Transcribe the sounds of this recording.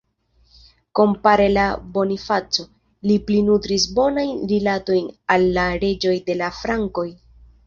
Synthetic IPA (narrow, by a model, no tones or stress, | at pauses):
ko̞mpaɾe̞labo̞nifat͡so̞ | liplinutɾisbo̞najnɾilato̞jnalːaɾe̞d͡ʒo̞jde̞lafɾaŋko̞j